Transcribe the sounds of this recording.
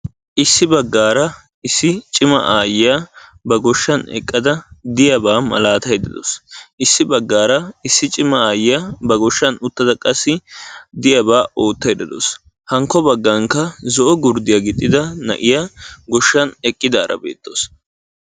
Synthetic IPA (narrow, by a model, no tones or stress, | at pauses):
ʔɪsːɪbɐɡːaːɾɐ | ɪsːɪt͡ʃʼɪmɐ̰ʔaːjɪjabɐɡɔʃːɐnɛ̰kʼːɐd̪ɐd̪ɪjɐbaːmɐ̰laːt̪ɐjd̪ɐd̪ɔ̰sʔɪsːɪbɐɡːaːɾɐɪsːɪt͡ʃʼɪmɐaːjɪjabɐɡɔʃːɐnʊt̪ːɐd̪ɐkʼɐsːɪd̪ɪjɐbaːoːt̪ːɐjd̪ɐd̪o̰s | hɐŋkːɔbɐɡːɐŋkɐzɔʔɔɡʊɾd̪ɪjɐɡɪt̪ʼːɪd̪ɐnɐ̰ʔɪjaɡɔʃːɐnɛkʼːɪd̪aːɾɐ̰bḛːt̪ːo̰s